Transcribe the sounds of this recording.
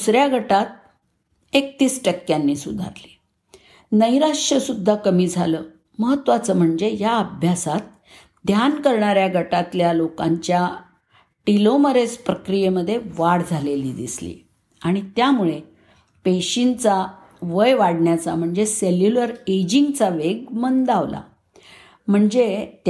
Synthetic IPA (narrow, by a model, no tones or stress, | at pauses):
d̪usɾjaɡʱəʈat̪̚ | ekt̪iːsʈəkːjanːiːsud̪ʱa̰ɾli̥ | nəjɾaʂəsud̪ʱːakəmiːd͡zʱaləː | məɦət̪ːʋat͡səːm̤əɳd͡zejaəbʱjasat̪̚ | d̪ʱjankəɾɳaɾjaɡʱəʈat̪ljalokãɲt͡ɕja | ʈiloməɾespɾəkɾijeməd̪ʱːjeʋaɽd͡zʱaleliːd̪ḭslḭ | aɽ̃it̪jamuɭe | peɕint͡sa | ʋəjʋaɽɳjat͡sa̰m̤əɳd͡zeseljuləɾed͡ʑiŋɡt͡saʋeɡmənd̪aʋla̰ | m̤əɳd͡zet̪